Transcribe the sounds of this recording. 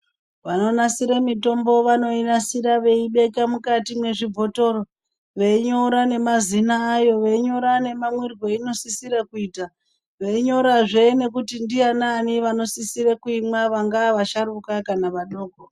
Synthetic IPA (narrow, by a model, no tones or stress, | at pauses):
ʋano̞nasiɾemito̞mbo̞ʋano̞inasiɾaʋe̞iɓe̞kamukatimwe̞ʐib͡vʱo̞to̞ro | ʋe̞iɲoɾane̞mazinaːjo̞ʋe̞iɲo̞ɾane̞mamwirwe̞ino̞sisiɾakuiːta | ʋe̞iɲo̞ɾaʐeine̞kutindiananiʋano̞sisirekuimwaʋaŋɡaʋaʃaɾukakanaʋaɗo̞ːko